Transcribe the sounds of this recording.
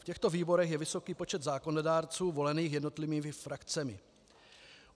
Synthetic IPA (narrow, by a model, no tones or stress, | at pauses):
fcɛxt̪o̞viːbo̞ɾɛxjɛvɪso̞kiːpo̞t͡ʃɛd̪zaːko̞nodaːɾt͡suːvo̞lɛniːxjɛdnot̪lɪviːmɪfɾakt͡sɛmɪ